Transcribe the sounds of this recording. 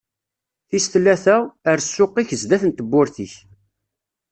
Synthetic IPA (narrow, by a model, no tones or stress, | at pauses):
θist̪lːæθæəɾsːʊqːiçəzd̪æθənt̪əbːʊɾθiç